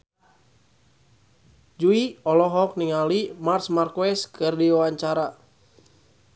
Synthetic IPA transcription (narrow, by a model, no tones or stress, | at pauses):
d͡ʒuiɔlɔɦɔk̚niŋalimarsmarkuɛskʰɨrdiwaɲt͡ʃaɾa